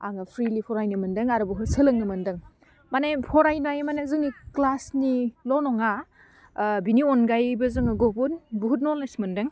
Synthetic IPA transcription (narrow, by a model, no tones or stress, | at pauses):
aŋɐpʰɾilipʰɔɾajnɯmɯndɯŋaɾubuɦutsɯlɯŋnɯmɐndɯŋ | manajpʰɔɾajnajmanazɯŋniklasnilɔwnɔŋa | biniɔnɡajbɐzɯŋɯɡobunbuɦut̚nɔlasmɐndɯŋ